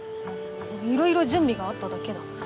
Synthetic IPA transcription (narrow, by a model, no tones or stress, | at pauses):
iɾo̞iɾod͡ʑɨ̃mbʲiɡaat̪ːad̪ake̞d̪a